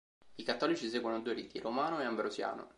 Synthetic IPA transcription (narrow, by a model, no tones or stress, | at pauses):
ikat̪ːɔːlit͡ʃiseːɡwanod̪uːeɾiːt̪iɾomaːnoeambɾozja̰ːno̰